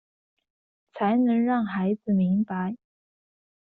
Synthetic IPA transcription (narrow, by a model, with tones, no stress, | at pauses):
t͡sʰa˧˥ɪnɤ˧˥ŋɻɑ˥˩ŋxa˧˥ɪd͡zɹ̩˨˩mi˧˥ŋpa˧˦ɪ